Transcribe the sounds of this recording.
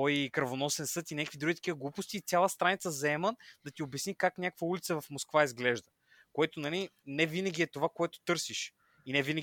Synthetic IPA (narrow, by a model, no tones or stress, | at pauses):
ɔjkɾɐvonɔsɛnsɤt̪inʲakvid̪uɡʲit̪ɐ̥k̟ivəɡlˠupʊst̪iːt̪sʲjalˠəst̪ɾanit̪səzɐɛməd̪ɐt̪iobɛsnikaknʲakəkvəulʲit̪səvɐfmoskvaizɡlɛʒd̪ə | koɛt̪onɐli | nɛvinəɡʲiɛt̪ovakoɛt̪o̥t̪ɤɾsiʃ | inɛvinə